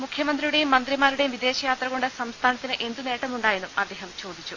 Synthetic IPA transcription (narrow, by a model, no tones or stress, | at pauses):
mukʰjɐmɐnd̪rijuɽe̞jumːɐnd̪rimaːɾuɽe̞jumʋid̪e̞ːɕɐjaːt̪rɐɣo̞ɳɖɨsɐmst̪ʰaːnɐt̪ːinɨʔe̞nd̪une̞ːʈːɐmːuɳɖaːjenːumɐd̪ːe̞ːɦɐmt͡ɕo̞ːd̪ʱit͡ɕːu